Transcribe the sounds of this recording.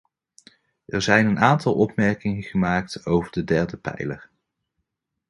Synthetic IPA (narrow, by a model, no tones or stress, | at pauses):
ʔɛɹzɛjnənaːntɑlˠʔɔpmɛɹkɪŋəχəmaːk̚towvəɹdədɛɹdəpɛ̰jləɹ